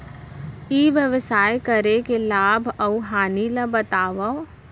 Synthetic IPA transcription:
iːʋjəʋəsaːjkəɾekelaːbʱɐuɦaːniləbɐt̪aːʋa

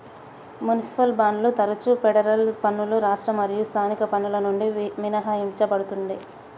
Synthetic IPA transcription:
mjunisi̥pɐlbaːɳɖlut̪ɐɾɐt͡ʃupɛɽɐɾɐlpɐnːuluɾaːʂʈɾɐmɐɾijust̪ʰaːnikɐpɐnːulɐnuɳɖiʋinɐɦɐimt͡ʃɐbɐɽut̪uɳɖ̪i

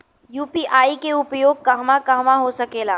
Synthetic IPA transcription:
juːpiːʔaːikeʊpjoːɡ̚kɐɦmãkɐɦmãɦosɐkeːlaː

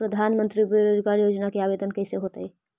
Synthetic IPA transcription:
pɾəd̪ʱanmənt̪ɾibeɾod͡ʒɡaɾjod͡ʒnakeabed̪ənkəjseɦot̪ə

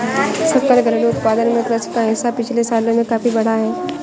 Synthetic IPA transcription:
sɐkəlɡʱəɾleʊt̪̚paːd̪ənmẽkɾəskːaɦɪsapɪt͡ʃʰlesaːlomẽkaːfibɐɽ̤aɦɛː

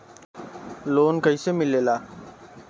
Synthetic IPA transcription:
loːnkəiːseːmɪleːlaː

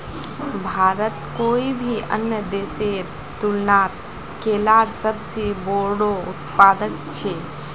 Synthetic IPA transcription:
bʱaɾət̪koibʱiʔə̰njəd̪eseɾ | t̪ulnaɾ | kelaɾsəbseboɽout̪pad̪ək̚t͡ʃʰɛ

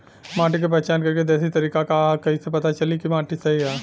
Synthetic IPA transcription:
mãːʈik̬ep̬ɛːt͡ʃaːnkɐɾked̪ɛːsit̪ɐɾiːkakakɐɦisepɐt̪at͡ʃɐlikimãːʈisɐɦiɦɛː

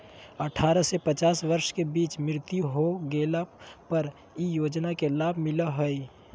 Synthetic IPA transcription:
əʈʰaɾəsepət͡ʃasʋəɾʃkebit͡ʃmɪɾt̪juɦoɡelapəɾ | ijod͡ʒnakelabʱmɪləɦəi

